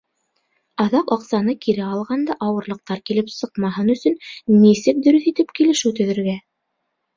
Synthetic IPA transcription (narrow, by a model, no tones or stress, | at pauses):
ɑðɑqɑqsɑnɤkiɾæɑlˠʁɑnd̪ɑʔɑwɤ̆ɾlˠɤ̆q̚t̪ɑɾkilɘpsɤ̆qmɑɦɤnɵ̆sɵnmisɘk̚d̪ɵ̆ɾɵθit̪ɘpkilɘ̆ʃɘwt̪ɵ̆ðɘ̆ɾɡæ